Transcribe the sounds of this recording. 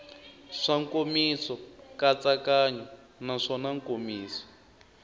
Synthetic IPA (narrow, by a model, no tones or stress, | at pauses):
ʂaŋkomisɔkat͡sakaɲɔ | naʂɔnaŋkomiːsɔ̥